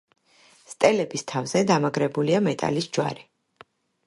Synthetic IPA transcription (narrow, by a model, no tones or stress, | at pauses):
st̪ʼɛlɛbist̪ʰavzɛd̪amaɡɾɛbuliamɛt̪ʼa̰lisd͡ʒwa̰ɾi